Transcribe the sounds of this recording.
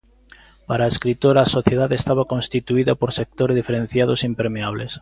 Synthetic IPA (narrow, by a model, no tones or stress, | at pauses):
paɾaːeskɾit̪oɾaːsoθjeð̞aðest̪aβakõnst̪it̪uiðɐpoɾsek̚t̪oɾzðifeɾẽn̟θjað̞osimpeɾmeaβles